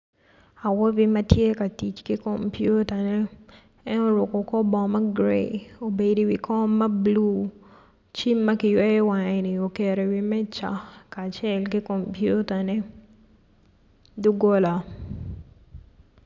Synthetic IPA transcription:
a˨wɔ˦bi˦mɐ˦tje˦ka˨ti˨t͡ʃki˦ko˨mpju˦ta˨nɛː˦ | nɔ˦ɾʊ˨kɔ˨kɔ˦bɔ˨ma˦ɡɾḛ˨o˨be˨di˦wi˨kɔ˦mːɐ˦blu˦ | t͡ʃi˦mːa˦kɪ˨jwe˦ɛ˦wa˨e˨ni˨o˨ke˨ɾe˨wi˦mɛ˦t͡ʃa̰˨kaː˨t͡ʃɛ˦lki˦ko˨mpju˦ta˨nɛ˦ | du˦ɡo˦la˨

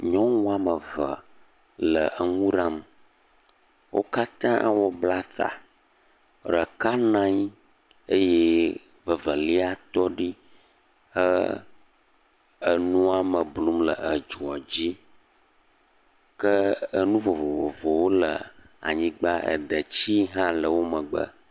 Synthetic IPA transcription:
ɲɔ̃˦ŋũ˦a˦mə˨və˨ | lə˨ʔə˨ŋũ˦ɾã˦m | wʔo̰˦ka˦t̪ã˦wɔ˦bla˦t̪a̰˨ | ɾə˨ka˦nã˦ɲ˦ | e˦je˦ | və˨və˨li˦a˦t̪ɔ˦ɖi˦ | ə˦ | ə˨nũ˦a˦mə˨blu˦mlə˨ə˨d͡ʒu˨ɔ˨d͡ʑi˦ | kə˦ə˦nũ˦vo˨vo˨vo˨vo˨wo˦lə̰˨ | a̰˨ɲĩ˦ɡ͡ba˦ə̰˨d̪ə˨t͡ɕi˦ɦã˦lə˨wo˦mə˨ɡ͡bə̰˦

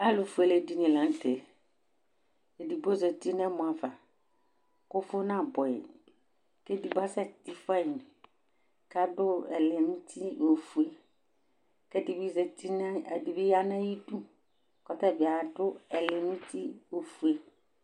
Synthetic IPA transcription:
a˦lʊ˨fu˨e˨le˨di˨nĩ˨lã˨n̩˦te˨ | e˨di˨bo˦zɛ˨ti˦nɛ̃˦mʊ̃˨a˨va˨ | kʊ˦fʊ˦nã˦˨bɔ˨ɛ̰˨ | ke˦di˨ba˦sɛ˦ti˦fa˦i˨n˨ | ka˦dʊ˦ɛ̰˨lɪ˨nũ˦tʰi˦o˨fu˨e˦ | kɛ˦di˨bi˦zɛ˨ti˦n˦˨di˨bi˦ja˦nã˦ji˦dũ˦ | kɔ˦tɛ˦˨vɪ˨a˨dʊ˦ɛ˨lɪ˨ŋũ˦tʰi˦o˨fu˨e˦

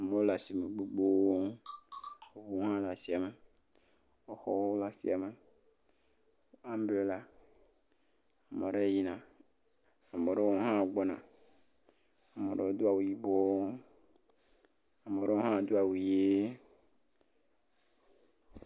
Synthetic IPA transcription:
a˨mẽ˨wo˦la˨si˨me˨ɡ͡bo˦ɡ͡bo˦ | wo˦vu˦o˦ɦã˦la˨si˨a˨me˨ | wo˦xɔ̰˦wo˦o˦la˨sḭ˦a˨me˨ | a˦m˦be˨o˦la˨ | a˨mẽ˨ɖe˦˨ji˦nã˨ | a˨mẽ˨ɖe˦wo˦ɦã˦o˨ɡ͡bɔ˦nã˨ | a˨mẽ˨ɖḛ˦wo˦d̪o˦a˨wu˨ji˦bɔ˦ | a˨mẽ˨ɾe˦o˦ɦã˦˨d̪u˦a˨wu˨je˦

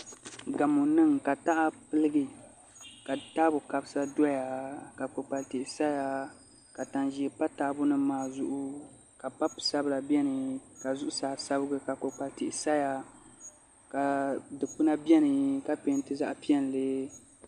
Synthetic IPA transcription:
ɡa˨mu˨nɨ˦ŋka˨ta˦ʔa˦pɨ˦lɨ˦ɡɨ˨ | ka˨taː˦bʊ˨ka˨bɨ˦sa˦dɔ˦ja˨ka˨k͡po˨k͡pa˨ltɪ˨ʔɪ˨sa˦ja˨ | ka˨ta˨nʒi˨ɛ˨pa˦taː˦bʊ˦nɨ˦maː˨zʊ˦ʔʊ˦ | ka˨pa˦psa˦bɨ˦la˨bjɛ˦nɨ˨ka˨zʊ˦ʔʊ˦saː˨sa˦bɨ˦ɡɨ˦ka˨ko˨k͡pa˨ltɪ˨ʔɪ˨sa˦ja˨ | ka˨dɨ˨k͡pu˦na˦bɛ˦nɨ˨ka˦pe˦n˦tɨ˦za̰˦ʔpi˦ɛ˦n˨lɨ˦

